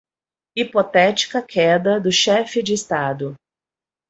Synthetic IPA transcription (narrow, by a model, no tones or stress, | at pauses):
ipot̪ɛt͡ʃi̥kɐkʰɛd̪ɐd̪ʊʃɛfɪd͡ʒɪːst̪ad̪ʊ